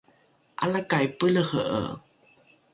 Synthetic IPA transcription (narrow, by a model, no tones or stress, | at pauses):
ʔa̰lakajpələhə̰ʔə̰